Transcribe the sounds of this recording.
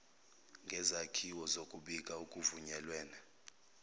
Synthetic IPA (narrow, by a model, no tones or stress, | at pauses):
ŋɡʱɛzakʰiwɔzokʼuɓikʼaukʼuvuɲɛlwɛːna